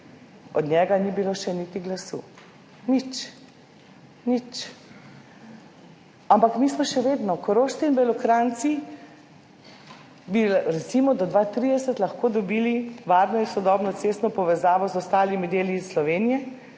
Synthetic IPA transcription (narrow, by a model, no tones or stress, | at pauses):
ɔd̪nɲɛɡanibiloʃɛnit̪iɡlasṵː | nit͡ʃ | nit͡ʃ | ampakmiːsmɔʃɛʋeːd̪nɔkɔɾoːʃt̪inbɛlɔkɾant̪si | biɾɛt̪simɔd̪ɔd̪ʋat̪ɾid̪ɛsɛt̪lɐxkoːd̪ɔbiːliʋaːɾnɔinsɔd̪ɔːbnɔt̪sest̪nɔpɔʋɛzaːʋɔzɔst̪aːlimid̪eːliːsslɔʋeːnijɛ